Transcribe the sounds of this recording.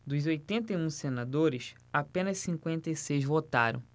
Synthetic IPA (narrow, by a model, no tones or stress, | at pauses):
d̪ʊzojt̪ẽnt̪eũsenad̪oɾɪs | apẽnɐssĩkwẽnt̪ejsejzvot̪a̰ɾɐ̰̃w̃